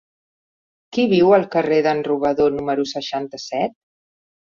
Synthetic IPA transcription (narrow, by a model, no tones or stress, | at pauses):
kiβ̞iwəlˠkəreðənruβ̞əðonuməɾusəʃant̪əsɛt̪̚